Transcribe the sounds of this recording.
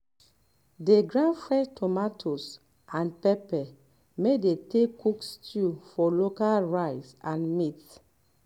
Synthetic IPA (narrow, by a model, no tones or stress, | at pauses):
deɡɹãnfɹɛtʰɔmatʰos | ʔãnpɛpɛ | medetekːukstʰufɔlokalɹaɪsãnmit